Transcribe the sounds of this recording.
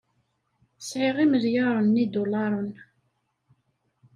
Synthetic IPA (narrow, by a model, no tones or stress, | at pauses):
sʕiʁiməðjɑɾˤənːid̪ʊlɑɾˤən